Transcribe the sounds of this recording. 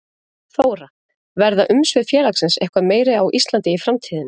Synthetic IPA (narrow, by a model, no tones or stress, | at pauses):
θoːwɾa | vɛɾðaʔʏmsvɪðfjɛːlaksɛnsɛhkvameːjɾɪawʔist̪lant̪ɪifɾamt̪ʰiːðɪn